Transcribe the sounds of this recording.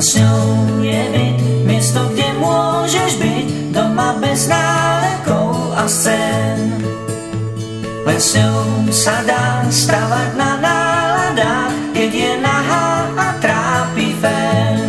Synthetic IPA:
sɲɔjɪɛbicmɪɛst̪ɔɡɟɛmʊɔʒɛʒbiɟd̪ɔmabɛznaːlɛkɔʊast͡sɛn | lɛsɲɔsad̪ast̪avananaːlad̪a | kɛɟjɛnaɦaat̪ɾaːpivɛn

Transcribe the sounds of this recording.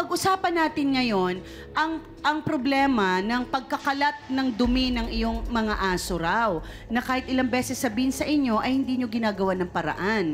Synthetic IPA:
pɐɡʔʊsaːpɐnːaːt̪ɪnŋɐjo̞n | ʔɐŋ | ʔɐŋpɾoblɛːmɐnɐŋpɐɡ̚kɐkɐlat̪̚nɐŋd̪ʊmɪnɐŋɪjo̞ŋmɐŋaʔaːsoɾaw | nɐkaːhɪt̪̚ʔɪlaŋbɛːsɛsːɐbiːhɪnsɐʔɪɲjo̞ʔɐjhɪnd̪iːɲo̞ɡɪnaːɡɐwanɐŋpɐɾɐ̰ʔan

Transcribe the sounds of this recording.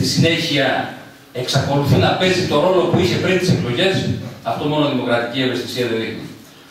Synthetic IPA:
t̪isine̞çiɐ | e̞ksɐko̞luθunɐpe̞zit̪o̞ɾo̞lo̞puiçe̞pɾint̪iseklo̞ʝe̞sɐft̪omo̞noðimo̞kɾɐt̪icie̞ve̞st̪i̥siɐðeine

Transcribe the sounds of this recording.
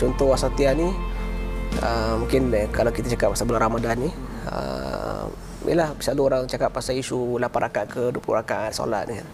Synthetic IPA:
t͡ʃɔnt̪ɔhasat̪iani | ə̰mũŋkɪnkalakit̪at͡ʃakap̚ːasabularɾamadanːiə̰m | ḭlahbisaluoɾaŋt͡ʃakap̚ːasaisulapanʔakaʔkʰəduəplṵhrakanso̰lat̪̚nikan

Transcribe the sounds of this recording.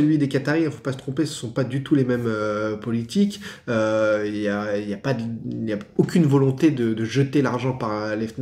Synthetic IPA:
əlɥid̪ekat̪aʁiifo̥pasət̪χɔ̃pesə̥sɔ̃pad̪yt̪ulemɛmøpɔlit̪ikʲøiljailjapad̪iljaokʲynvɔlɔ̃t̪ed̪əd̪əʒət̪elaʁʒɑ̃paʁlɛfn

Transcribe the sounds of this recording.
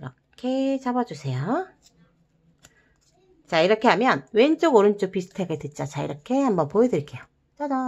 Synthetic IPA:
iɾʌ | kʰe̞t͡ɕabʌd͡ʑusʰe̞jo | t͡ɕaiɾʌkʰe̞ɦamjʌnwent͡ɕ͈oɡoɾɯnt͡ɕ͈opisʰɯ̥tʰaɡedwet̚t͡ɕ͈at͡ɕaḭɾʌkʰe̞hambʌnpojedɯɭk͈e̞jo | t͡ɕʌdʌ

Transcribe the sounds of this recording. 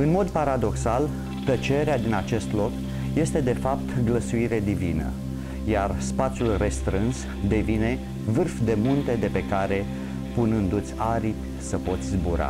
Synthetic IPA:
ɨnmo̞d̪paɾad̪o̞ksal | t̪ət͡ʃe̞ɾead̪inat͡ʃe̞st̪lo̞k | je̞st̪e̞d̪e̞fapt̪ɡləsuiɾe̞d̪ivinə̰ | jarspat̪sjulre̞st̪ɾɨns | d̪e̞vine̞ | vɨrfd̪e̞munt̪e̞d̪e̞pe̞kaɾe̞ | punɨnd̪ut̪sʲaɾipʲ | səpo̞t̪sʲzbuɾa̰

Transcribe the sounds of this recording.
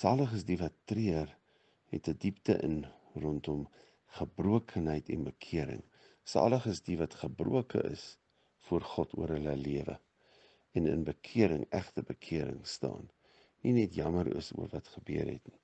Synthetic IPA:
sɑːləχəsdivɐtːriər | ɦɛ̰tədiptəʔən | rɔntɔm | χəbruəkʰənɦəjtʰɛ̰nbəkʰiəɾə̰ŋ | sɑ̰ːləχəsdivɐtχəbrṵəkə̰ʔə̰s | fuərχɔtuəɾɦələliəvə̰ | ɛnə̰nbəkʰiəɾəŋæχtəbəkʰiəɾə̰ŋstɑ̰ːnː | inɛtjɐməɾə̰sṵərvɐtχəbyərɦɛ̰tni

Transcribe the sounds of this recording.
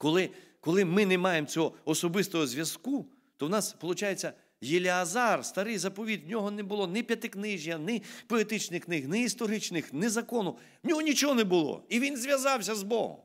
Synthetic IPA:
kɔlˠɪkɔlˠɪmɪnɛmɑjemt͡sʲɔɦɔɔsɔbɪst̪ɔɦɔzʲʋʲjɐsku | t̪ɔwnɑspɔlˠʊt͡ʃajet͡sʲːɐ | jɪlʲɪɐzɑrst̪ɐɾɪjzɐpɔʋʲid̪ʲwnʲɔɦɔnɛbʊlˠɔnɪpʲjɐt̪ɪknɪʒʲjɐnɪpɔet̪ɪt͡ʃnɪxnɪxnɪist̪ɔɾɪt͡ʃnɪxnɪzɐkɔnʊ | nʲɔɦɔnʲit͡ʃɔɦɔnɛbʊlˠɔ̰iʋʲinzʲʋʲjɐzɑwsʲɐzbɔ̰ɦɔ̰m

